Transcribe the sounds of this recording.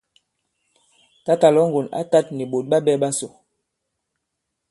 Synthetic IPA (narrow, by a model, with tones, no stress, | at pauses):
ta˦ta˨lɔ˨˦ŋɡu˨na̰˦ta˦t̚ni˨ɓo˨t̚ɓa˦ɓɛ˦ɓa˦so˨